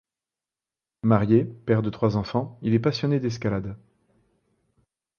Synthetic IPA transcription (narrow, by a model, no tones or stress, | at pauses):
maʁjepɛʁd̪ət̪χwazɑ̃fɑ̃ilɛpasjɔned̪ɛs̬kʲalad̪